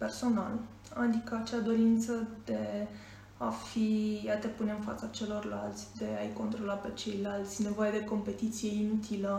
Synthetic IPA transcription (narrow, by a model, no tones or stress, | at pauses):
pe̞rso̞nal | ad̪ikəat͡ʃad̪o̞ɾint̪səd̪e̞ | afijat̪epune̞ɨnfa̰t̪sət͡ʃe̞lo̞rlalt̪sʲd̪e̞ajko̞nt̪ɾo̞lape̞t͡ʃe̞jlalt̪sʲne̞vo̞jed̪e̞ko̞mpe̞t̪it̪sije̞inut̪ʰilə